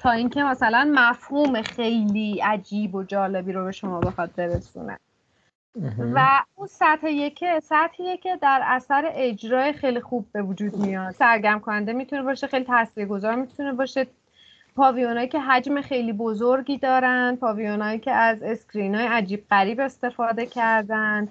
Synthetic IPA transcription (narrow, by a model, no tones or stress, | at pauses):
t̪ʰɒːiŋcʰemæsælænmæfhuːme̞xe̞jliːæd͡ʒiːbo̞d͡ʒɒːle̞biːɾo̞be̞ʃo̞mɒːbe̞xɒd̪̚be̞ɾesṵnḛ | væunsæt̪heje̞cʰesæt̪hejecʲʰe̞d̪æɾæsæɾeʔed͡ʒɾɒːexejlixubːe̞vud͡ʒuːd̪mijɒːt̪sæɾɡæmkʰonænd̪emiːt̪ʰunebɒːʃexejlit̪ʰæsviːɾɡo̞zɒːɾmit̪ʰune̞bɒːʃe | pʰɒːvijonhɒːjiːcʲʰeɦæd͡ʒme̞xe̞jliːbo̞zoɾɟiːd̪ɒːɾænd̪̚pʰɒːvijonɒːjiːcʰʲeʔæze̞skɾinɒːjeæd͡ʒiːb̚ɣæɾiːbe̞st̪e̞fɒːd̪e̞cʰæɾd̪ænd̪̥